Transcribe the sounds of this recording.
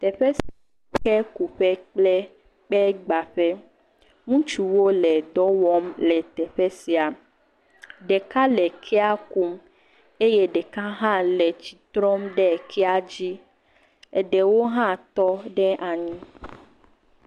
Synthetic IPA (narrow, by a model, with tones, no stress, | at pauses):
t̪ɛ˨ɸɛ˦sii˨ | kɛ˦ku˨ɸɛ˦k͡plɛ˦ | k͡pɛ˦ɡ͡ba˨ɸɛ˦ | ŋũ˦t͡ʃu˨wo˦lɛ˨d̪ɔ˦wɔ˦mlɛ˨t̪ɛ˨ɸɛ˦si˨a˨ | ɖɛ˨ka˦lɛ˨kʰɛ˦a˦ku˦m | e˦je˦ɖɛ˨ka˦ɦã˦lɛ˨t͡ɕi˨t̪ɾɔ˦mɖɛ˦˨kʰɛ˦a˦d͡ʑi˦ | ɛ˨ɖɛ˨wo˦ɦã˦t̪ɔ˦ɖɛ˦ʔa˨ɲĩ˦